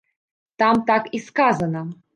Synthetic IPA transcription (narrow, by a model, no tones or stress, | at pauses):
t̪ɑmt̪ɑkiskazənə